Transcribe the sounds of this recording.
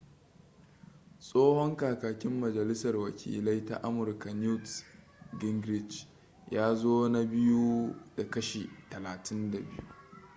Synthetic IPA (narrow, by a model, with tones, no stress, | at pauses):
sʼoː˦hɔ˦ŋkaː˨kaː˨kʲɪ˦mːɐ˨d͡ʒɐ˨lɪ˦sɐ˨rwɐ˨kʲḭː˨lɐ˦jta̰˦˨ʔa˦mʊ˨rka˨nu˦ts | ɡɪ˦ŋɡɾɪ˦˨d͡ʒ | jaː˦zoː˦na˦bɪ˦ju˦d̥a˨kɐ˦ʃe˨tɐ˨laː˨tʰɪ˦nda˨bɪ̰˦jṵ˦